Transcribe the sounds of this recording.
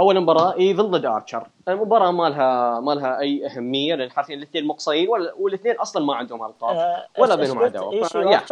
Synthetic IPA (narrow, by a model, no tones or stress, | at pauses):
ʔawːalambɑɾˤɑːʔiðɨlːɪd̪ɑ̰ːɾˤt͡ʃɑɾˤ | mbɑɾˤɑːmaːlɦamaːlɦaʔajːʔahamːɪjːalʔanħaɾθiːnlɪθneːnmɑqsˤɑjiːnwalːwɪlθneːnʔɑsˤlɑnmaʕɪnd̪hʊmalqɑ̰ːwalːabeːnhʊmʕad̪a̰waaja